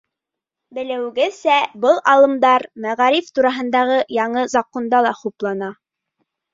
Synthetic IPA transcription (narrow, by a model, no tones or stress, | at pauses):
bɘ̆lɘ̆wɡɘsæbɤlˠɑlˠɤ̆md̪ɑɾmæʁɑɾift̪uɾɑɦɤ̆nd̪ɑʁɤjɑɴɤzɑqond̪ɑlˠɑχuplˠɑnɑ